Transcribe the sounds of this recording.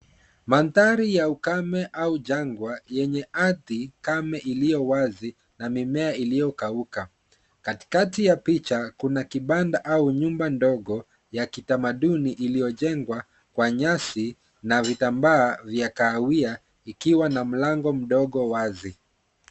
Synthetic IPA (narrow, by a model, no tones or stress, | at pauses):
mantaɾijaukamɛʔauʄaŋɡwajɛɲɛʔaðikamɛʔilijɔwazi | namimɛailijɔkauka | kati̥katijapit͡ʃakunakiɓandaʔauɲumbandɔɠɔ | jakitamaɗuniʔilijɔʄɛŋɡwa | kwaɲasi | navitambaːvjakaːwia | ikiwanam̩laŋɡɔm̩ɗɔɠɔwazi